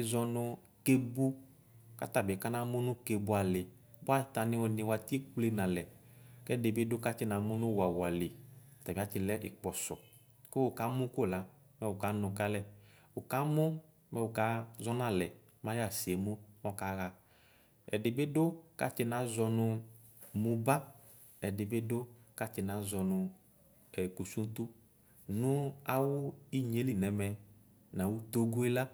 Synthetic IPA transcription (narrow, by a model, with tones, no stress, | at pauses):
ɪ˨zɔ˧nʊ˧ | ke˦bu˦ | ka̰˦t̪a˨bɪ˨ka˦nã˦mʊ̃˦nʊ̃˦ke˨bʊ˦a˨lɪ˨ | ba˦˨ta˨nɪ̃˦wɔ˨nɪ̃˨wa˨ti˦e˦k͡ple˦nã˨lɛ˨kɛ˦˨dɪ˨bɪ˦dʊ˦ka˦t͡ʃɪ˦nã˨˦mʊ˦nʊ̃˦wa˨wʊ˨a˨lɪ˨t̪a˨bi˨a˦t͡ʃɪ˨lɛ˦ʔɪ˨k͡pɔ˨sɔ˨ | kɪ˦wʊ˨ka˦mʊ̃˦kʊ˦˨la˨˦ | mɛ˦wʊ˨ka˨˦nʊ̃˨ka˦lɛ˦ | ʊ˨ka˦mʊ˦ | mɛ˦˨wʊ˨ka˦zɔ˦nã˦˨lɛ˨ | mã˦ja˦˨si˨e˨mo˦mɔ˦˨ka˦ɣa˨ | ɛ̰˨dɪ˨be˦dʊ˦ka̰˨˦t͡ʃɪ˨nã˨˦zɔ˧nʊ˧mu˨ba˦ | ɛ˨dɪ˨be˦dʊ˦ka˦t͡ʃɪ˨na˨˦zɔ˨nʊ˨ | ɛ˨ku˨su˦n˦t̪u˦ | nʊ˦a˦wʊ˦i˦ɲe˨˦li˦˨nɛ˨mɛ˨ | nã˨wu˦t̪o˦ɡu˦e˦la˦